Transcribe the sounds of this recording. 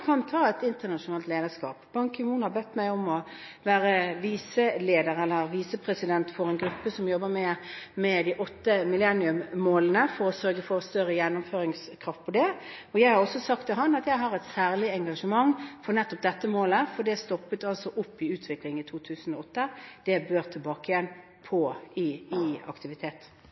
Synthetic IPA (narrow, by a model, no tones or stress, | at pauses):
kʰɑnt̪ʰɑːɛt̪ɪnt̪ənɑʃʊnɑːlt̪leːd̪əʂkɑ̰ːpb̥ɑŋkəmuːnhɑbɛt̪ːmæɪɔmɔ | ʋæːɾəʋiːsəleːd̪əɾɛlːəɾʋiːsəpʰɾɛsɪd̪ɛnt̪fɔɾɛɪnɡɾʉpːəsɔmjɔbːəmɛmɛd̪ɪʔɔt̪ːəmɪlɛnːɪʉmmoːlənəfɔɾɔsœɾɡəfɔɾɔst̪œɾːəjɛnːʊmføːɾɪŋskʰɾɑft̪̚pʰɔd̪ɛɔjæɪhɑʁɔsːɔsɑk̚t̪ʰːɪlɦɑnɑt̪jæɪɦɑʁɛt̪sæːʁlɪɛŋɡɑʂəmɑŋfɔʁnɛt̪ːɔp̚d̪ɛt̪ːəmoːləfɔd̪ɛst̪ɔpːət̪ɑlsɔʔʊpːɪʉːt̪ʰʋɪklɪŋɪt̪ʰuːt̪ʰʉːsənɔɔt̪ːəd̪̥ɛbøːʁt̪ʰɪlbɑːkəjɛn | pʰɔɪɪɑ̰kt̪ɪʋɪt̪ʰeːt̪